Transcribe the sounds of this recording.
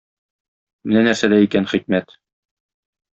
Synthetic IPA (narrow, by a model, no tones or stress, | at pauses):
mɘ̆nænæɾsæd̪æikænχik̚mæt̪